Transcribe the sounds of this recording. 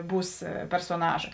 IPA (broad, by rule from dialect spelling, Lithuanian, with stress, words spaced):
ˈbuːs pʲɛrsoːˈnɑːʒɐ